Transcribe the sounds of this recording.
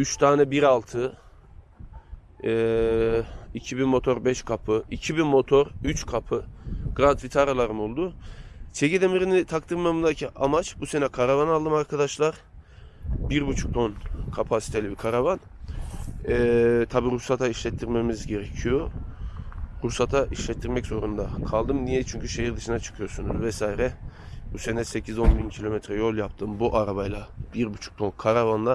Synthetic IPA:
yt͡ʃt̪ʰaːnɛbiɾalˠt̪ʰɯ | icʰibimo̞t̪ʰo̞ɾbɛʃkʰapʰɯicʰibimo̞t̪ʰo̞ɾyt͡ʃkʰapʰɯɡ̥ɾant̪vit̪ʰaɾalˠaɾɯmolˠd̪ʊt͡ʃʰeɟid̪e̞miɾinit̪ʰak̚t̪ʰɯɾmamɯnd̪acʰiʔamat͡ʃbuse̞nɛkʰaɾavanalˠd̪ɯmaɾkʰad̪aʃlˠaɾ | biɾbut͡ʃʰu̥k̚d̪onkʰapʰasi̥t̪ʰe̞lʲibikʰaɾavan | ɛt̪ʰabiːɾusat̪ʰaiʃlʲɛt̪ʰːiɾme̞mizɟe̞ɾecʰijo̞ | ɾusat̪ʰaʔiʃlʲɛt̪ʰːiɾmɛczo̞ɾund̪akʰalˠd̪ɯmnijɛt͡ʃʰyɲcʰyʃe̞jiɾd̪ɯʃɯnat͡ʃʰɯ̥kʰɯjosunuzvɛsaːiɾɛbuse̞nɛse̞cʰizo̞nbincʰilʲo̞mɛt̪ʰɾɛjolˠjapt̪ʰɯmbuʔaɾaβajlˠabiɾbut͡ʃʰu̥k̚t̪ʰo̞nkʰaɾavanlˠa

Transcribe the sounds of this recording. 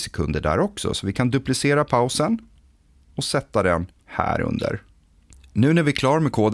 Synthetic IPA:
sɛ̥kʰɵ̰nd̪əɖæ̰ːɾɔksɔ̰sɔvɪkʰand̪ɵplɪseːɾapʰaʊsən | ɔsɛt̪ːad̪ɛn | hæ̰ːɾɵ̰nd̪ə̰ɾ | nʉ̟ːnæɾvɪkʰlɑːɾmɛkʰoːd̪

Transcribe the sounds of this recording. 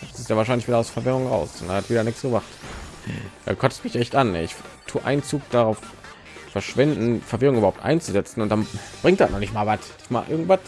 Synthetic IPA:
asɪstjavaːɐʃ̬aɪnlɪçviːdɐʊsfɛɐvɪʁʊŋʁa̰ʊsɔndḛhatv̥iːdɐnɪksɡ̥əvaχt | a̰kʰɔtə̥stmɪçʔɛçtʔanːɛɪçtʰuːʔa̰ɪnt͡suːk̚d̥aʁaʊf | fɛɐʃv̥ɪndn̩fɛɐvɪʁʊŋybɐhaʊptʔa̰ɪnt͡suzɛt͡sn̩ʊntd̥anb̥ʁɪŋktd̥a̰tnʔɔnɪçtmaːlvatd̥ɪçtma̰ːlʔɪɐɡŋ̩tv̥at

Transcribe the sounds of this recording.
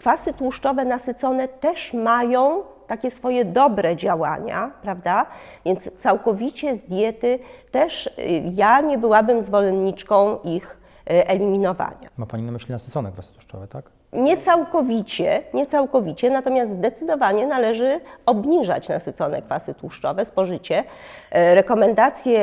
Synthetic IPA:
kfasɘt̪wuʂt͡ʂɔvɛnasɘt̪sɔnɛt̪ɛʂmajɔ̃w̃t̪akʲɛsfɔjɛd̪ɔbɾɛd͡ʑawa̰ɲa̰pɾavd̪avʲjɛnt̪st̪sawkɔvʲit͡ɕɛzd̪ʲjɛt̪ɘt̪ɛʂjaɲɛbɘwabɘmzvɔlɛnɲit͡ʂkɔ̃w̃ix | ʔɛlʲimʲinɔva̰ɲa̰mapaɲinamɘɕlʲinasɨt̪sɔnɛkfvasɨt̪wu̥ʂt͡ʂɔ̰vɛt̪ak | ɲɛt̪sawkɔvʲit͡ɕɛɲɛt̪sawkɔvʲit͡ɕɛnat̪ɔmʲjazt̪zd̪ɛt̪sɘd̪ɔvaɲɛnalɛʐɘɔbɲiʐa̰t͡ɕna̰sɨt̪sɔnɛ̰kfasɘt̪wuʂt͡ʂɔvɛspɔʐɘt͡ɕɛ | ɾɛkɔmɛnd̪at̪sʲjɛ

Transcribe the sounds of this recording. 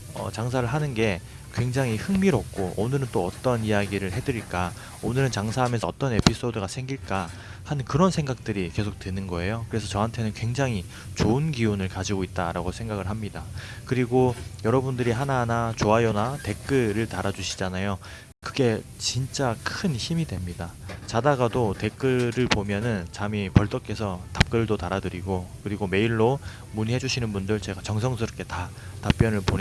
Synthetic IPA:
ʌ̰t͡ɕaŋsʰaɾɯɭɦanɯnɡe̞ | kwe̞ŋd͡ʑaŋihɯŋmiɾʌk̚k͈oʔonɯɾɯnt͈oʌt͈ʌnijaɡiɾɯɭɦe̞dɯɾiɭk͈a | onɯɾɯnt͡ɕaŋsʰaɦamensʰʌʌt͈ʌne̞pʰis͈ʰodɯɡasʰe̞ŋɡiɭk͈a | hankɯɾʌnsʰe̞ŋɡak̚t͈ɯɾike̞sʰok̚t͈wenɯnɡʌe̞jokɯɾe̞sʰʌt͡ɕʌɦantʰe̞nɯnkwe̞ŋd͡ʑaŋi | t͡ɕoɯnɡiunɯɭkad͡ʑiɡoit̚t͈a̰ɾaɡosʰe̞ŋɡaɡɯɭɦamɲida | kɯɾiɡojʌɾʌbundɯɾiɦananat͡ɕoajonate̞k͈ɯɾɯɭtaɾad͡ʑuɕʰi̥d͡ʑanajo | kɯɡe̞t͡ɕint͡ɕ͈akʰɯnçimidwe̞mɲidat͡ɕadaɡadote̞k͈ɯɾɯɭpomjʌnɯnt͡ɕamipʌɭt͈ʌk͈e̞sʰʌtap̚k͈ɯɯɭdotaɾadɯɾiɡokɯɾiɡome̞iɭːo | muɲiɦe̞d͡ʑuɕʰinɯnbundɯɭt͡ɕe̞ɡat͡ɕʌŋsʰʌŋsʰɯɾk͈ʰe̞ta | tap̚p͈jʌnɯɭpon

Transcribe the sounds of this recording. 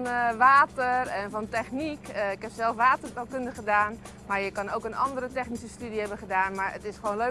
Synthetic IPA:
nʋaːtərɛnfɔntɛxnikɪkɦɛpsɛlˠfʋaːtərtalˠkʏndəχədaːn | maɹjəkɑnoːkənɑ̰ndəɾətɛxnisəstydihɛbənχədaːnmaɹə̰tɪsχəʋoːnlø

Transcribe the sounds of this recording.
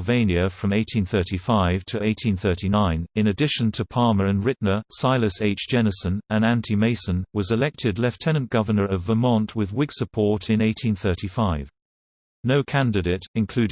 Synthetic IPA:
vẽɪ̃njɨfɹʌ̃meɪtʰĩnθɜˑ˞ɾʰifaɪv̥tʰəeɪtʰĩnθɜˑ˞ɾinãɪ̃nɨ̃nɨdɪʃə̃ntʰəpʰɑɹmə˞ɨ̃nɹɪʔⁿnə˞saɪlˠəseɪt͡ʃd̥ʒ̥ɛnəsə̃nɨ̃næ̃ntʰimeɪsə̃nwʌzɨlɛk̚tʰɪdˡlɛftʰɛ̃nə̃nɡ̥ʌvənə˞ʌvəmɑ̃nʔwɪðwɪɡ̥səpʰɔɹɾɪ̃neɪtʰĩnθɜ˞ˑtifaɪv̥ | noʊkʰæ̃ndɨɾeɪtɨ̃nkʰl̥ʉ

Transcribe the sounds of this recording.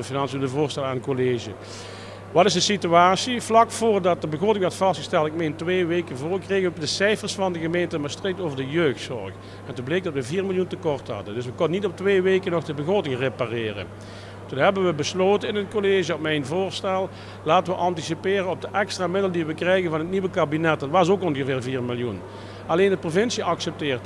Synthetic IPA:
əfinɑnseləvʊːɹstɛlˠaːnənkoleːʒə | ʋɑtɪsdəsityaːsivlɑkfʊːrdɑt̚dəbəɣroːtɪŋʋɛrtfɑstxə̥stɛlˠtɪk̚mejntʋeːʋejkənvʊːrkreːɣədəsɛjfərsfɑndəɣəmejntəmaːɹstrek̚towvəɹdəjøːxtsɔ̰rx | ɛntublejk̚dɑtʋəviːrmɪlˠjuntəkɔɹtɦɑ̰dəndɵsʋəkɔnənitɔp̚tʋeːʋejkənɔxdəbəɣroːtɪŋreparɪːrə̰n | tunɦɛbənʋəbəsloːtənɪnətkoleːʒəɔpmɛjnvʊːɹstɛlˠ | laːtəʋəʔɑntisipɪːrənɔb̚dəʔɛkstraːmɪdələndiʋəkrɛjɣənvɑnɦətniʋəkaːbinɛt̚dɑtʋɑs̬okɔnɣəvɪːrviːɹmɪlˠjun | ɑleːndəprovɪnsiɑksɛp̚tɪːrt

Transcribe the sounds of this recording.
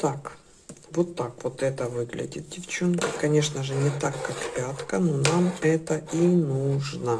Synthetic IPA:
t̪ak | vot̪ːakvot̪ɛt̪əvɨɡlʲɪ̰dʲɪ̰t̪̚dʲɪft͡ɕonkəkɐnʲe̞ʂnəʐɨnʲɪt̪akːakpʲat̪kənonamɛt̪əinuʐnə

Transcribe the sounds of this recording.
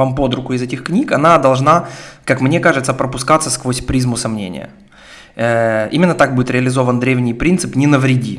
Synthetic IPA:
vampo̞d̪ɾʊkʊɪzɛtʲɪxknʲikɐnad̪ɐlˠʐnakakmnʲe̞kaʐɨt̪səpɾəpʊskat̪səskvosʲpɾʲizmʊsɐmnʲḛnʲɪ̰jə̰ | əimʲɪnːət̪ak̚budʲɪt̪ɾʲɪəlʲɪzo̞vənd̪ɾʲevnʲɪjpɾʲint̪sɨpnʲɪnəvɾʲɪdʲi

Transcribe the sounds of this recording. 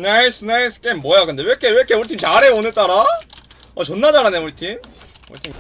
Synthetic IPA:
nais͈ʰɯnais͈ʰɯ̥k͈emːwʌjakɯnde̞wekʰewekʰeuɭtʰimt͡ɕaɾeonɯɭt͈aɾa | ʌt͡ɕonːad͡ʑaɾaneoɭitʰim | o̰ɭtʰim

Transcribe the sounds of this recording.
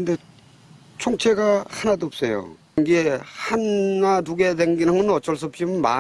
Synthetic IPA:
kɯnde̞ | t͡ɕʰoŋt͡ɕʰe̞ɡahanadoːp̚s͈ejo̰ | ŋɡiehanːanuɡedeŋɡinɯŋɯnʌt͡ɕ͈ʌɭs̬͈ʌp̚t͡ɕ͈imɯnma̰

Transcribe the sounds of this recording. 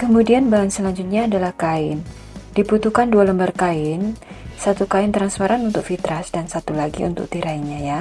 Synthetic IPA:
kəmudianbaɦansəlaɲd͡ʒʊt̪̚ɲaːdalahkaɪn | dibut̪ukandualəmbərkaɪnsat̪ukaɪnt̪ɾanspaɾʔanunt̪ʊk̚fit̪ɾasdansat̪ulaɡḭṵnt̪ʊ̰k̚t̪iɾaiɲaja

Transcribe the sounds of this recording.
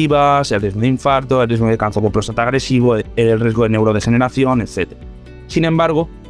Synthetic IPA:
iβaselreɣoðiɱfaɾt̪oelrizɣoðekan̟θoβopɾost̪at̪aɣ̞ɾesiβoeelrezɣoðenewɾoð̞exeneɾaθjoneθet̪eɾa | sinẽmbaɾɣ̞o

